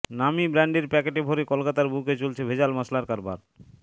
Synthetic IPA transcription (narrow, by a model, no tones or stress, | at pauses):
namibɾaɳɖeɾpɛkeʈebʱoɾekolkat̪aɾbuket͡ɕolt͡ɕʰebʱed͡ʑalmaslaɾkaɾbaɾ